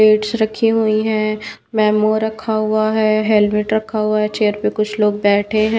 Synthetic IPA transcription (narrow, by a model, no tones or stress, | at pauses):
eːʈsɾɐkʰiɦuiɦɛ̃ː | mɛːmoːɾɐkʰaɦʊaɦɛɦɛlʋɪʈɾɐkʰaɦʊaɦɛt͡ʃeːəɾpekʊt͡ʃʰloːɡ̚bɛːʈʰeɦɛ̃